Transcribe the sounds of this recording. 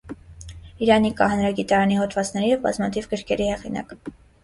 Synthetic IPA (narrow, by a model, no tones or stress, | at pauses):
iɾɑnikɑhɑnɾɑɡit̪ɑɾɑnihɔt̪ʰvɑt͡snɛɾijɛvbɑ̰zmɑt̪ʰivɡəɾkʰɛɾihɛʁinɑ̰k